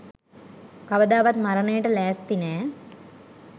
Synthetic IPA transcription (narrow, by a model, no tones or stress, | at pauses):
kɐʋəd̪aːʋat̪maɾənejəʈəlæːst̪inɛː